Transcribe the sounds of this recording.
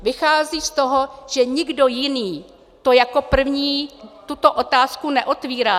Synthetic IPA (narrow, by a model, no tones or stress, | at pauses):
vɪxaːziːst̪oɦo̞ʒ̥ɛɲɪɡdo̞jɪniː | t̪o̞jako̞pr̩vɲiːt̪ut̪o̞ʔo̞t̪aːskunɛʔo̞t̪viːɾaː